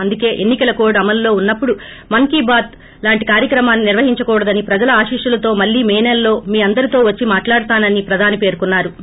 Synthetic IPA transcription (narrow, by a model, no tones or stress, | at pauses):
ɐnd̪uke̞ːʔenːikɐlɐko̞ːɖɐmɐlːo̞ːunːɐpːuɽu | mɐŋkiːbaːt̪ | laːɳʈikaːɾjɐkɾɐmaːnːiniɾʋɐɦiɲt͡ʃɐkɔːɽɐd̪ɐnipɾɐd͡ʒɐlɐaːʃiːʂulɐt̪o̞ːmɐɭːiːmeːnelːo̞ːmiːɐnd̪ɐɾit̪o̞ːʋɐt͡ʃːimaːʈlaːɽut̪aːnɐnipɾɐd̪ʱaːnipe̞ːɾkunːaːɾu